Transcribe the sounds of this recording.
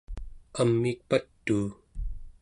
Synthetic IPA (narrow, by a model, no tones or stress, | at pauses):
amːik̚pat̪ːuː